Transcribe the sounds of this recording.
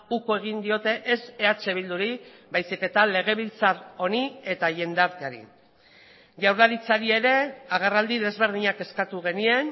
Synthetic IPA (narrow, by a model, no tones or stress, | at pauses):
uko̞e̞ɣ̞ind̪io̞t̪e̞ʔese̞at͡ʃe̞β̞ild̪uɾi | bajsike̞t̪ale̞ɣ̞e̞β̞ilt͡saro̞nie̞t̪aje̞nd̪aɾt̪eaɾḭ | ʝawɾlaɾit͡saɾie̞ɾe̞aɣ̞arald̪iðe̞zβe̞ɾð̞iɲake̞skat̪uɣ̞e̞nie̞n